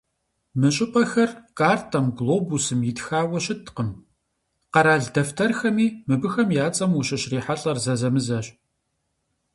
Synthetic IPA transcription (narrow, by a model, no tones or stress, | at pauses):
mɨɕʼɪpʼɐxɐrkʼaːrtʰɐmɡloːbusɨmjɪtxaːwɐɕʼɪtʰqəm | qɐɾaːɮdɐftʰɐrxɐmiːmɨbɨxɐmjaːt͡sʼɐmuɕɐɕriːħaɬʼɐrzɐzɐmɨzɐɕʼ